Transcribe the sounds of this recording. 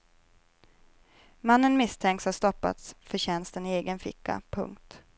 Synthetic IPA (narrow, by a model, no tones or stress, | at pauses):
manːənmɪst̪ʰɛŋkt̪shast̪ɔpːa̰t̪sfœɕɛnst̪əneːɡənfɪ̰kʰːa̰pʰɵ̰ŋkt̪